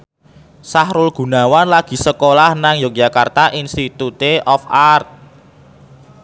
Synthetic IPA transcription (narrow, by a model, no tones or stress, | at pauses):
sahɾʊlɡ̥ṳnawanlaɡ̥i̤səkolahnaŋjɔk̚ʒ̥a̤kart̪aʔinst̪it̪ut̪eʔɔfʔart̪̚